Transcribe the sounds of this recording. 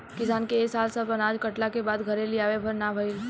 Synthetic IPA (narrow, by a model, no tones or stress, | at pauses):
kɪsaːnkeːsaːlsɐpɐnaːd͡ʒkɐʈlakebaːd̪ɡʱɐɾẽliaːʋebʱɐɾnabʱɐɪl